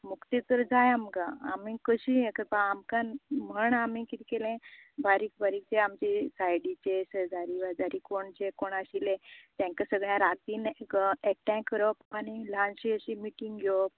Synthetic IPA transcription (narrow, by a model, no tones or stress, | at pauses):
mukt̪it̪əɾd͡zajamkãa̰mikəɕijẽkəɾpaamkanm̤əɳamikit̪ikelẽbaɾiːkbaɾiːk̚t͡ɕeamt͡ɕesajɽit͡ɕesəd͡zaɾiʋəd͡zaɾiːkoɳd͡ʑekoɳaɕilẽt̪jãŋkasəɡɭjãɾat̪iːnek̚ʈɛ̃kːəɾɔpanilãnɕiəɕimiʈiŋɡɡʱjo